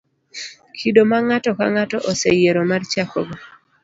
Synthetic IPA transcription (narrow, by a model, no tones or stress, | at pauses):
kʰidomaŋatɔka̰ŋatɔʔosejeɾomart͡ʃakɔ̰ɡo